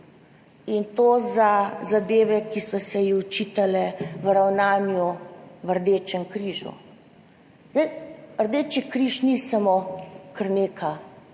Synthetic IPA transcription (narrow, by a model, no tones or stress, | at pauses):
int̪oːzazad̪eːʋɛkisɔsɛjixut͡ʃiːt̪alɛʋɾawnaːnjuʋəɾd̪eːt͡ʃɛŋkɾiːʒṵ | zd̪ɛjəɾd̪eːt͡ʃikɾiʃnisamokəɾneːkʰa